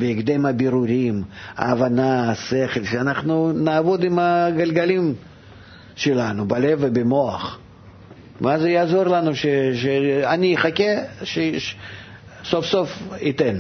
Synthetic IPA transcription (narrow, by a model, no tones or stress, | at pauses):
bʲɪːɡd̪emabʲɪɾuɾʲima̰ːvanaːseχelʲʃeanaχnunaːvod̪imaɡɐlʲɡalʲim | ʃelanubalʲevːəbɪmo̞ɐ̰χ | mazɛjaːzo̞rlˠanuʃeʃeanʲiɪχakʲeʃe | so̞fso̞fit̪en